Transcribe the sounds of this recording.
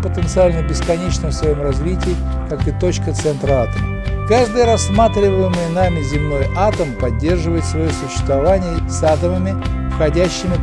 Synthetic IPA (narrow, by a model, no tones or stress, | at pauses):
pət̪ənt̪sɨalʲnəbʲɪskɐnʲet͡ɕnəmsvɐjo̞mrɐzvʲitʲɪː | kakɨt̪o̞t͡ɕkət̪sɛnt̪ɾəat̪əməkaʐd̪ɨjəɾɐsːmat̪ɾʲɪvəjɪməjənamʲɪzʲɪmno̞jat̪əmpɐdʲːe̞rʐɨvəjɪt̪svɐjosʊɕːɪ̥st̪vɐvanʲɪjəsat̪əməmʲɪfxɐdʲæɕːɪmʲɪ